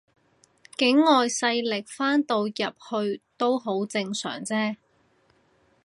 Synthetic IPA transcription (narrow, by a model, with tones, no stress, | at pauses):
kɪ˨˥ŋːɔː˨jsɐ˧jlɪ˨˩k̚faː˥nt̪o˧wjɐ˨p̚hɵ˧ɥt̪o˥wɦo˨˥wt͡sɪ˧ŋsœ̰ː˨˩ŋt͡sɛː˥